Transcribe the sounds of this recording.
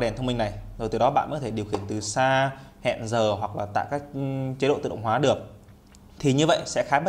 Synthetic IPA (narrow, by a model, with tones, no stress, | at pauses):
ɗɛ˨˩nt̪ə˧wmi˧ŋna˨˩jzo˨˩jt̪ɨ˨˦ɗɔ˨˦ɓa̰ː˧˨ʔt̪ʰe˧˩ɗi˨˩əwxi˧˩ənt̪ɨ˨˩saː˧hɛ̰˧˨nzəː˨˩ɦwa˨˩k̚laː˨˩t̪a̰ː˧˨jkaː˦˥k̚t͡ɕe˨˦ɗo̰˧˨˧ɗə̰˧˨ŋ͡mhwaː˨˦ɗɨ˨˩ək̚ | t̪ʰi˨˩ɲɨ˧və̰˧˨jsɛ̰˧˥xaː˨˦ɓ